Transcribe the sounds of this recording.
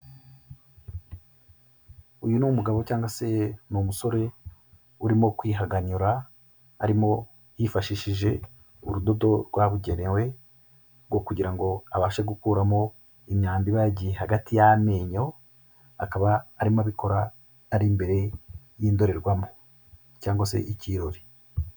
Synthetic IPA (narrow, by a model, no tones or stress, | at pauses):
ujunumuɡaβo̞caːŋɡase̞numuso̞ɾe̞ | uɾimo̞kwiːɦaɡaɲuɾaː | ɾimo̞ | jifaʃiʃiʒe̞ | uɾudo̞do̞ɾɡwaβuɟe̞ɾewe̞ | ɾɡwo̞kuɟiɾaŋɡo̞aβaːʃeɡukuːɾamo̞ | imɲaːndiβaɟiehaɡatijame̞ːɲo̞ | akaβaːɾimaβiko̞ɾaː | ɾimbe̞ɾe̞ | jiːndo̞ɾe̞ɾɡwamo | caːŋɡwase̞̰ʔiciːɾoɾi